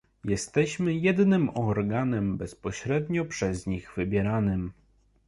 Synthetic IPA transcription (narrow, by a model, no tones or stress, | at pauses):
jɛst̪ɛɕmɘjɛd̪nɘmɔɾɡanɛmbɛspɔɕɾɛd̪ɲɔpʂɛzɲiɣvɘbʲjɛɾanɘm